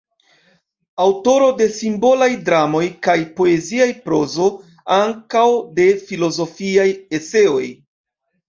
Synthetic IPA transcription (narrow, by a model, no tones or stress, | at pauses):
awto̞ɾo̞de̞simbo̞lajdɾamo̞jkajpo̞e̞ziajpɾo̞zo̞ | aŋkawde̞filo̞zo̞fiaje̞se̞o̞̰j